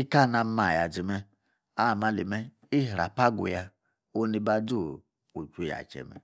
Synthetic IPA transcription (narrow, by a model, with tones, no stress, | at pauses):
i˦ka˦˨na˧˦ma˨ja˨d͡ʒi˨mɛ˧ | a˦˨ma˦li˨mɛ˦ | i˦ɦɾa˨pa˦ɡṵ˨ja˧ | o˦ni˧ba˦du˦˨ | u˨t͡ʃu˨ja̰˨t͡ʃɛ̰˨mɛ̰˨